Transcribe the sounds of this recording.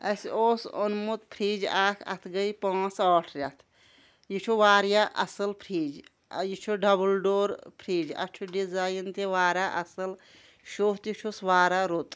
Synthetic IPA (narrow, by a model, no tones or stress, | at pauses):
ɐsoːsonmut̪pʰɾiːd͡ʒaːkʰɐ̰t̪ʰɡɐjpãːsɔːʈʰɾʲat̪ʰ | jit͡ʃʰuʋaːɾjaʔɐsɐlpʰɾiːd͡ʒ̰ | jit͡ʃʰoɖɐbəlɖoːɾpʰɾiːd͡ʒɐ̰t͡ʃʰuɖizajnt̪eʋaːɾaʔɐsɐl | ʃoːt̪jit͡ʃʰosʋaːɾaɾot̪